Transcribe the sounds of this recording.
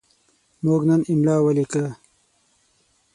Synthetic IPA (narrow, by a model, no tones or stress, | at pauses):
moːɡnɐniɳɖaːwɐlika